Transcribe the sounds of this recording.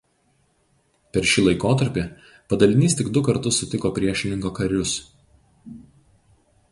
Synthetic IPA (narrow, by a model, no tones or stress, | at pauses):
pʲɛɾʃʲɪlˠɐɪkoːt̪ɐɾʲpʲɪ | pɐd̪ɐlʲɪnʲiːst̪ʲɪɡd̪ʊkɐɾt̪ʊsʊt̪ʲɪkoːpʲɾʲiɛʃʲɪnʲɪŋkoːkɐɾʲʊs